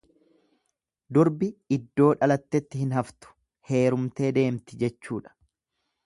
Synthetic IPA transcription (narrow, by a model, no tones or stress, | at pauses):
d̪ʊɾbɪɪd̪ːo̞ːᶑɐlɐt̪ːɛt̪ːɪhɪnɦɐft̪ʊ̥ | he̞ːɾʊmt̪e̞ːd̪e̞ːmt̪ɪd͡ʒɛt͡ʃːuːᶑɐ̥